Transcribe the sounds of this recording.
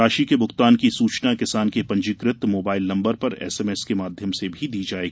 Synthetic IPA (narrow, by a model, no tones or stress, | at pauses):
aːʃikebʱʊxt̪aːnkisuːt͡ʃnakɪsaːnkepɐ̃ɲd͡ʒɪkɾɪt̪moːbaːɪlnɐ̃mbəɾpɐɾɛ̰ːsɛːmɛːskemaːd̪ʱjəmsebʱid̪iːd͡ʒaːeːɡi